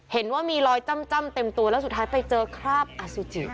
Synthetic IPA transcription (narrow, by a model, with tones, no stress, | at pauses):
he˩˦nwaː˥˩miː˧ɾɔː˧jt͡ɕa˥˩mt͡ɕa˥˩˨mt̪e˧mt̪u˧ɐlɛ˦˥s̬u˨˩t̪̚ʰːaː˦˥jpa˧jt͡ɕɤː˧kʰɾaː˥˩p̚ʔa˧su˧˦t͡ɕḭ˨˩